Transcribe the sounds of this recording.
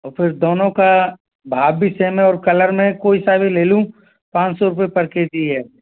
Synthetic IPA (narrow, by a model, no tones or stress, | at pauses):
ɔːfʰɪɾd̪oːnõka | bʱaːbbʱiseːmẽɔːɾkɐləɾmẽkoːisabʱileːlũ | pãːt͡ʃsɔɾʊpepɐɾked̪iɦɛː